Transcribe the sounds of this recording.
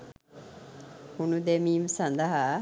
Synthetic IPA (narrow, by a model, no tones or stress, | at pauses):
hunud̪emiːmsɐnd̪aɦa